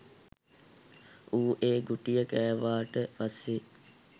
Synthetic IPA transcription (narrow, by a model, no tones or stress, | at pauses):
uːʔeːɡuʈijəkæːʋaːʈəpase